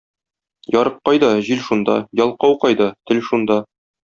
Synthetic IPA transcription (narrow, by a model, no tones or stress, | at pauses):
jɒɾɤqːɑjd̪ɑʑilʃund̪ɑ̰jɒlˠqɑwqɑjd̪ɑt̪ɘlʃund̪ɑ